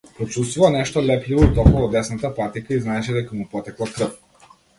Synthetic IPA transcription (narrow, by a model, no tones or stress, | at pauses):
pɾɔt͡ʃust̪vuvanɛʃt̪ɔlɛplivɔit̪ɔkuɔd̪ɛsnat̪apat̪ikaiznaɛʃɛd̪ɛkamupɔt̪ɛklˠakɾəf